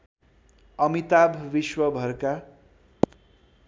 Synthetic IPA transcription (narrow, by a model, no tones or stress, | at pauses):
ʌmit̪abʱʋiswʌbʱʌrka